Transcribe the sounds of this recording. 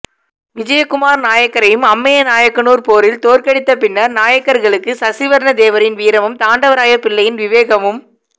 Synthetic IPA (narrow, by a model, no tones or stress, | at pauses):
ʋɪd͡ʒɐjɐkːʊmaːɾnaːjɐkːɐɾɐjɯmɐmːɐjɐnaːjɐkːɐnuːɾpoːɾɪlt̪oːɾkɐɽɪt̪ːɐpɪnːɐɾnaːjɐkːɐɾɣɐɭɯkːɯsɐsɪʋɐɾɳɐd̪eːʋɐɾɪnʋiːɾɐmɯmt̪aːɳɖɐʋɐɾaːjɐpɪɭːɐjɪnʋɪʋeːɣɐmɯm